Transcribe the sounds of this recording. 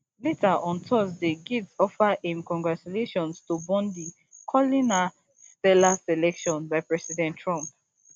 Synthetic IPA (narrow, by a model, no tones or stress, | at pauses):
letʰaʔɔ̃ntʰɔsdeɡidsɔfaʔɛ̃nkɔ̃ŋɡɹat͡ʃuleʃɔ̃nstubɔ̃ndi | kʰɔlina | stɛlasɛlɛkʃɔ̃nbaɪpɹɛsidɛ̃ntʰɹɔ̃mp